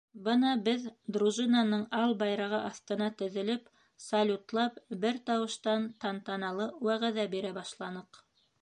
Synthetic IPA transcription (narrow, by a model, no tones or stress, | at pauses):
bɤnɑbɘðd̪ɾuʒɨnɑnɤɴɑlˠbɑjɾɑʁɤʔɑθt̪ɤ̆nɑt̪ɵ̆ðɘ̆lɘp | sɐlʲut̪lˠɑpbɘɾt̪ɑwɤ̆ʃt̪ɑnt̪ɑnt̪ɑnɑlˠɤwæʁæðæbiɾæbɑʃlˠɑnɤq